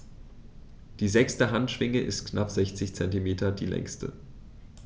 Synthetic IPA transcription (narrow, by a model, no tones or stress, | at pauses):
d̥iːzɛkstəɦantʃv̥ɪŋəʔɪstknapz̥ɛçt͡sɪçt͡sɛntimeːtɐdiːlɛ̰ŋstə̰